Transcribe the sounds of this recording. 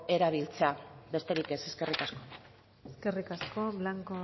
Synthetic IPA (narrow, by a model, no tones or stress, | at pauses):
e̞ɾaβ̞ilt͡se̞abe̞st̪e̞ɾike̞se̞ske̞rikasko̞ | eske̞rikasko̞βlaŋko